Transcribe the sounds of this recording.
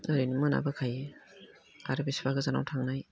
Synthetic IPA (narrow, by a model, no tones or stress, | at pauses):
naɾejnimɯna̰bɯkʰaj | a̰ɾebesi̥baɡɯzana̰wtʰaŋnaj